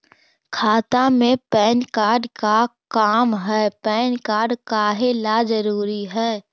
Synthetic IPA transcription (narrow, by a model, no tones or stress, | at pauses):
kʰaːt̪amẽpɛːnkaːɾɖkakaːmɦɛːpɛːnkaːɾɖkaːɦelad͡ʒəɾuːɾiɦɛː